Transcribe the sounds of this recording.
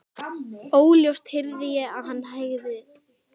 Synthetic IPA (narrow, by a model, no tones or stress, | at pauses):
oːwljowst̪hɪɾðɪjɛaðɦanːɦajɣðɪ